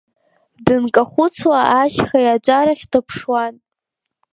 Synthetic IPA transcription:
dɨnkʼaχʷʊt͡sʰwaʔaʃχajaʈ͡ʂʷʼaɾaχʲdɨpʰʂwan

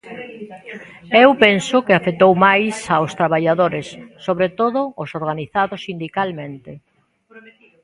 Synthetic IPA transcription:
ewpensʊkɪafet̪owmajsaost̪ɾaβaʎaðoɾɪsːoβɾet̪oðʊːsoɾɣaniθaðʊsind̪ikalmẽnt̪ɪ

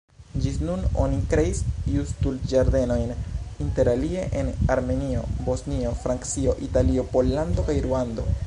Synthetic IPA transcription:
d͡ʒisnuno̞̰nikɾe̞isiustuld͡ʒaɾde̞no̞jninte̞ɾalie̞ʔenaɾme̞nio̞bo̞snio̞fɾaŋkt͡sio̞ʔitalio̞po̞lːando̞kajɾuando̞̰

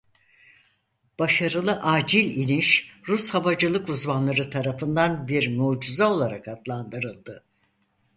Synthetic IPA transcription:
b̥aʃaɾɯlˠɯʔaːd͡ʒilʲiniʃɾushavad͡ʒɯlˠɯkuzmanlˠaɾɯt̪ʰaɾafɯnd̪anbiɾmuːd͡ʒuzao̞lˠaɾakat̪lˠand̪ɯɾɯlˠd̪ɯ

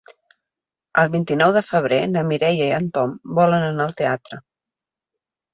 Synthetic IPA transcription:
əlˠβint̪inɔwðəfəβ̞ɾenəmiɾɛjəiant̪ɔmbɔlənənaəlˠt̪eat̪ɾə

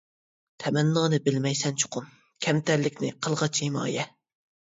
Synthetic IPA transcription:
t̪ʰɛmɛnːɑːnɨbɪlmɛjsɛnt͡ʃʰʊ̥qʰʊm | kʲʰɛmt̪ʰæɾlɪkʲnɪqʰəlˠʁɑt͡ʃʰhimɑ̰ːjɛ

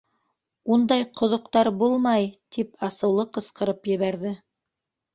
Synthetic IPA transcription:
und̪ɑjqŏðŏqt̪ɑɾbulˠmɑjt̪ʰipʰɑsɤ̆wlˠɤqɤ̆sqɤ̆ɾɤpjɘ̆βæɾðɘ

